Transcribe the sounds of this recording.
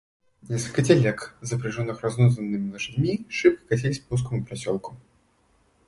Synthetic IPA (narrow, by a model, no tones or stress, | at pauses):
nʲɛskəlʲkət͡sʲɛlʲɛkzɐpɾɨʐɔnːɨxraznɔzənːɨmʲɪlˠɐʂɨdʲmʲiʂɨp̚kʲi̥kat͡sʲelʲɪsʲpus̬kəmupɾasʲɔlˠkʊ̥